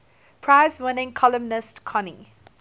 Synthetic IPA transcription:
pʰɹaɪzwɪnɪ̃ŋkʰɔlə̃mnɪstkʰɔnɪ̃ŋ

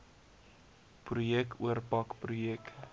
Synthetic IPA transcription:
prujɛkuərpɐkprujɛk

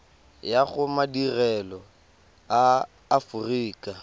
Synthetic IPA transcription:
jaɣʊmadirɛlɔ | aː | fʊriːkʼa

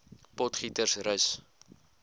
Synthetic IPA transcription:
pɔtχitərsrəs

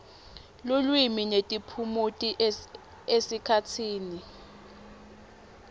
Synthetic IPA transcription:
lulwiminetʼipʰumutʼi | esikʰatʰiːni

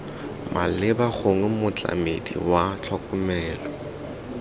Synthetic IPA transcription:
mʔalɪbak͡xʰoŋ̩mʊt͡ɬʼa̰medḭwat͡ɬʰɔkʼʊmɛːlɔ

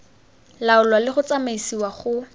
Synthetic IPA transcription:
laʊlwalɪχʊt͡samaisiwaχʊ

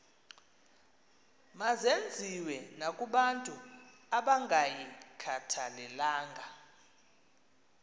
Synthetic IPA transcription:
mazend͡zʱiwɛnakʼuɓantʼuaɓaŋʱajikʰatʰalɛlaːŋɡʱa

